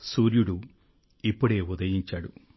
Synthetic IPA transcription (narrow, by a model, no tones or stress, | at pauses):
suːɾjuɽu | ipːoɽe̞ːud̪ɐjiɲt͡ɕːɐɽu